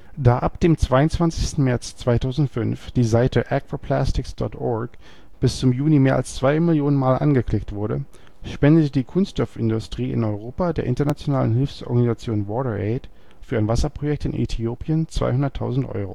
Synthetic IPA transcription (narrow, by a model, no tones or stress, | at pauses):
d̥aːʔapd̥eːmt͡sv̥aɪʊnt͡sv̥ant͡sɪçstn̩mɛɐt͡st͡sv̥aɪtʰaʊzn̩tfʏnfd̥iːzaɪtəʔɛkv̥apʰl̥astɪksd̥ɔ̰tʔɔɐk | b̥ɪst͡sʊmjuːlimeːɐʔalst͡sv̥aɪmɪljoːnənmaːlʔa̰nɡəkʰlɪktv̥ʊɐɾə | ʃpɛndətədiːkʰʊnsttɔfɪndʊstʁ̥iːʔɪ̰nɔʏʁ̞oːpadeːɐʔɪntɐnat͡sjonaːlənɦɪlfsʔɔ̰ɐɡanizat͡sjoːnvɔːɾəʔɛːt | fyːɐaɪnvasɐpʁ̥ojɛk̚tɪnʔḛtʰioːpiənt͡sv̥a̰ɪɦʊndɐtʰːa̰ʊzn̩tʔɔ̰ʏʁo̰ː